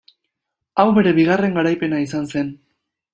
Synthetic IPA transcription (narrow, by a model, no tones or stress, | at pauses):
awβe̞ɾe̞βiɣare̞ŋɡaɾajpe̞naisanse̞n